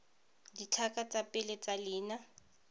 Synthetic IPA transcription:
dit͡ɬʰakʼat͡sʼapʼɪlet͡salɪːna

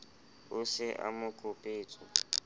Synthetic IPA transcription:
ʊsɪʔa̰mʊkʼʊpʼeːt͡sʼʊ

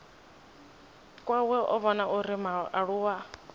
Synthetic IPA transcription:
kʼwawɛʔɔ̰βɔnaʔuɾimaʔaɺuwa

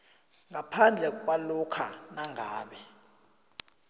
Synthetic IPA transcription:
ŋapʰand͡ɮʱɛk̬walukʰanaŋʱaːɓɛ

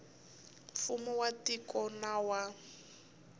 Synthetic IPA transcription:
fumuwatikɔnawa

